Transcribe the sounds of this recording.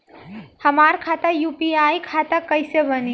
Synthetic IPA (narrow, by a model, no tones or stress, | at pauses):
həmaɾkʰat̪əjupiajkʰat̪əkəɪsebəni